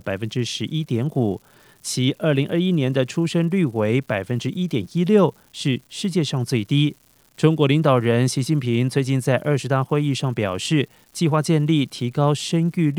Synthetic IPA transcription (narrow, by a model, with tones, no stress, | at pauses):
pa˨˩ɪfə˦˥nʈ͡ʂɻ̩˥ʂɻ̩˧˥ʔi˥t̪jɛ˧˥nu˨˩˦ | t͡ɕʰi˧˥ʔə˞˥˩li˧˥ŋʔə˥˧˩i˥njɛ˧˥nd̪ə˧ʈ͡ʂʰu˥ʂə˥nly˥˩we˧˥ɪpa˨˩ɪfə˦˥nʈ͡ʂɻ̩˥ʔi˥t̪jɛ˨˩ni˥ljo˥˩ʊ | ʂɻ̩˥˧ʂɻ̩˥˧t͡ɕjɛ˥˧ʂɑ˥˧ŋt͡swe˥˩ɪt̪i˥ | ʈ͡ʂʊ˥ŋkwɔ˧˥li˧˥ŋt̪ɑ˨˩ʊɻə˧˥nɕi˧˥t͡ɕi˥˩npʰi˧˥ŋt͡swe˥˧ɪt͡ɕi˥˧nt͡sa˥˧ɪʔə˞˥˩ʂɻ̩˧˥t̪a˥˧xwe˥˧ɪi˥˧ʂɑ˥˩ŋpjɑ˨˩ʊʂɻ̩˥˩ | t͡ɕi˥˧xwa˥˧t͡ɕjɛ˥˧nli˥˩t̪ʰi˧˥kɑ˥ʊʂə˥ny˥˧